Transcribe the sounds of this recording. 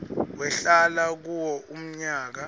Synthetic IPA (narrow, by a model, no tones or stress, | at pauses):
wɛɬalak̬uwɔʔum̩ɲaːk̬a